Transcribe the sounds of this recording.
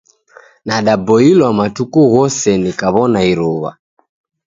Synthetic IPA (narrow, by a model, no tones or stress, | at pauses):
naɗabɔilwamatukuɣɔsɛnikaβɔnaiɾuβa̰